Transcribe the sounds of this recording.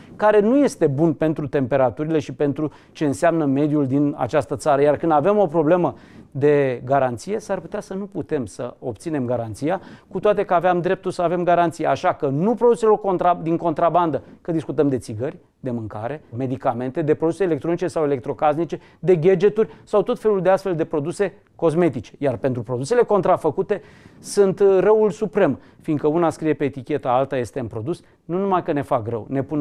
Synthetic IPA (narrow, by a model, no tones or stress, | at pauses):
kaɾe̞nuje̞st̪e̞bunpe̞nt̪ɾut̪e̞mpe̞ɾat̪uɾile̞ʃipe̞nt̪ɾu | t͡ʃe̞ɨnseamnəme̞d̪juld̪ina̰t͡ʃast̪ət̪saɾəjarkɨnd̪ave̞mo̞pɾo̞ble̞mə | d̪e̞ɡaɾant̪sije̞sarput̪easənuput̪e̞msə̰op̚t̪sine̞mɡaɾant̪sijakut̪oat̪e̞kəaveamd̪ɾe̞p̚t̪ulsəave̞mɡaɾant̪sijaaʃakənupɾod̪uselo̞rko̞nt̪ɾad̪iŋko̞nt̪ɾaband̪əkəd̪iskut̪əmd̪e̞t̪siɡərʲ | d̪e̞mɨŋka̰ɾe̞me̞d̪ikame̞nt̪e̞d̪e̞pɾo̞d̪useːle̞k̚t̪ɾo̞nit͡ʃe̞sawe̞le̞k̚t̪ɾo̞kaznit͡ʃe̞ | d̪e̞ɡed͡ʒe̞t̪urʲsawt̪o̞t̪fe̞luld̪east̪fe̞ld̪e̞pɾo̞d̪use̞ | ko̞zme̞t̪it͡ʃe̥jarpe̞nt̪ɾupɾo̞d̪use̞le̞ko̞nt̪ɾafəkut̪e̞ | sɨnt̪rəwulsupɾe̞m | finɡ̪kəunaskɾije̞peːt̪ikʲe̞t̪aalt̪aje̞st̪eɨnpɾo̞d̪us | nunumajkəne̞fakrə̰wne̞pun